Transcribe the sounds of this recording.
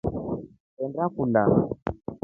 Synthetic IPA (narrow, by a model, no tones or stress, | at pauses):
ɛndakula